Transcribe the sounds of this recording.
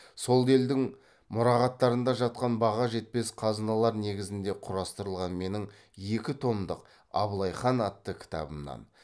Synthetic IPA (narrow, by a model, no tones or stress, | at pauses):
so̞lˠe̞ld̪ɪŋ | mʊɾɑʁɑt̪ːɑɾənd̪ɑʒɑt̪̚qɑnbɑʁɑʒe̞t̪̚pe̞sqʰɑznɑlˠɑɾne̞ɡʲɪzɪnd̪e̞qʰʊɾɑst̪əɾəlˠʁɑnme̞nɪŋ | je̞kʲɪt̪ʰo̞md̪əq | ɑ̰blˠɑjχɑnɑt̪ːəkʲʰɪ̥t̪ʰɑ̰bəmnɑ̰n